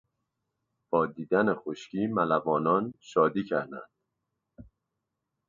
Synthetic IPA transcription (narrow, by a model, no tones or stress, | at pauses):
b̥ɒːd̪iːd̪ænexoʃcʰiːmælævɒːnɒːnʃɒːd̪iːcʰæɾd̪æ̰nd̪̥̚